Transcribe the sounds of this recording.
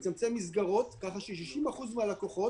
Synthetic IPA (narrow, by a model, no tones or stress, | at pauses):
t͡samt͡se̞mːisɡaʁo̞t̪kaχaʃiʃ̬iʃimaχuzmealako̞χo̞